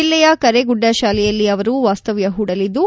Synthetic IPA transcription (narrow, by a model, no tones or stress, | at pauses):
ilːɛjɐkɐɾeɡuɖːɐʃaːlɛjɐlːiɐʋɐɾuʋaːst̪ɐʋjɐɦuːɽɐlid̪u